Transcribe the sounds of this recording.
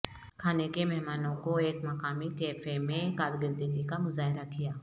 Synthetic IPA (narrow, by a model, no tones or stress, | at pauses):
kʰaːnekemɛɦmaːnõkoeːkmɐkaːmikeːfemẽkaːɾɡəɾd̪iɡikamʊzaːɦɪɾakijaː